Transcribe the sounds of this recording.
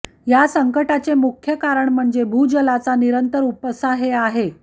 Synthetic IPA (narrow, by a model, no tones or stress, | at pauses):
jasəŋkəʈat͡semukʰjəkaɾəɳm̤əɳd͡zebʱud͡ʑəlat͡saniɾənt̪əɾupəsaɦeaɦe